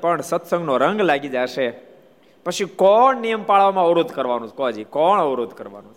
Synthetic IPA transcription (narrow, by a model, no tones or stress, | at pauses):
pəɳsət̪sə̃ŋɡnoɾəŋɡlaɡid͡ʒaʃe | pət͡ʃʰikɔɳnijəmpaɭʋamãəʋɾod̪ʱkəɾʋanũkoad͡ʒikɔɳəʋɾod̪ʱkəɾʋa̰nũt͡ʃʰ